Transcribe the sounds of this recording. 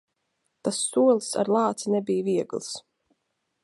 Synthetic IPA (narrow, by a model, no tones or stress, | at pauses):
t̪asːuɔlˠsa̰ɾlˠɑːt̪sinɛbijviɛɡlˠs